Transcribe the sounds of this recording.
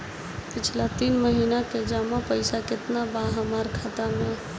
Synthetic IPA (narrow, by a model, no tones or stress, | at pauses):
pɪt͡ʃʰlat̪iːnməɦiːnaked͡ʒaːmapəɪsakɪt̪nabaɦamaːɾkʰaːt̪amẽ